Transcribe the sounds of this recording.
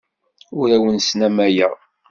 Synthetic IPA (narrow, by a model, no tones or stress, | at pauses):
ʊɾæwənsnæmæjəʁ